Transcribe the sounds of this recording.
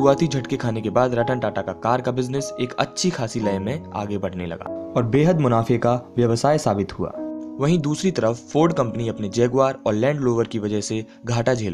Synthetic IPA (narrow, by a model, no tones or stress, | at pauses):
uaːt̪id͡ʒʱɐʈkekʰaːnekebaːd̪ɾɐʈənʈaːʈakakaːɾkabɪznɪseːkɐ̰tːʃʰixʰaːsilɐjmẽa̰ːɡebɐɽ̤nelɐ̰ɡa̰ːɔːɾbeːɦəd̪mʊnaːfekaʋjɐʋsaːjsaːbɪt̪ɦua̰ːʋɐɦĩd̪uːsɾit̪ɐɾəffoːɾɖkɐ̃mpniɐpned͡ʒɛːɡʋaːɾɔːɾlɛ̃ːɳɖloːʋəɾkiʋɐd͡ʒəɦse | ɡʱaːʈad͡ʒʱeːlː